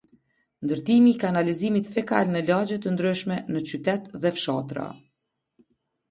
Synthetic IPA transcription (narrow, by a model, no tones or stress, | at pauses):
nd̪əɾt̪imiːkanalizimit̪fɛka̰lnəlad͡ʑɛt̪ənd̪ɾyʃmɛnət͡ɕyt̪ɛt̪ðɛfʃat̪ɾa̰